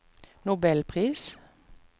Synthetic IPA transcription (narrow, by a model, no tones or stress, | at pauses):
nʊbɛlpʰʁiːs